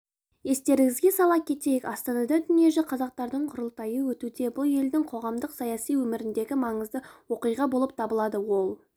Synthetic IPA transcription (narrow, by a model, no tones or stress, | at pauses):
je̞st̪e̞ɾɪɡʲɪzɡʲesɑlˠɑp̚kʲʰe̞t̪e̞jɪkɑst̪ɑnɑd̪ɑd̪ʏnije̞ʒɪqʰɑzɑq̚t̪ɑɾd̪əɴqʰʊɾəlˠt̪ɑjəwɵt̪ud̪e̞bʊlˠje̞ld̪ɪŋqʰo̞ʁɑmd̪əqsɑjɑsijwɵmɪɾɪnd̪e̞ɡʲɪmɑɴəzd̪əwo̞qijʁɑbolˠəp̚t̪ʰɑbəlˠɑd̪əwo̞lˠ